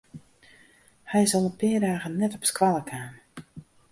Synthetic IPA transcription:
hɛjsɔlˠəpɪədaːɣənnːɛtɔpskʋalˠəkʰaːn

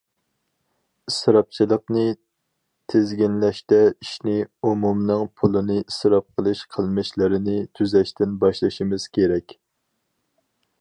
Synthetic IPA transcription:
isɾɑp̚t͡ʃʰilˠəqnɨ | t̪ʰezɡʲinlɛʃt̪ɛiʃnɪumumnɨŋpʰulˠɨnɨʔisɾɑp̚qʰəlˠɨʃqʰəlˠmɨʃlɨɾɪnɪt̪ʰyzɛʃt̪ɪnbɑʃlˠɨʃimɪz̥kʲʰeɾɛkʲ

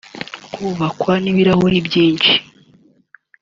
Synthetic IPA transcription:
kʰuβakwaniβiɾahoɾibɟiːnt͡ʃi̥

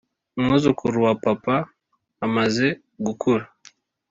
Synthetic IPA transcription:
umŋuzukʰuɾuwapapaː | maze | ɡukʰuɾa

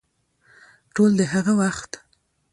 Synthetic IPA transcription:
ʈold̪əɦaɣawaxt̪

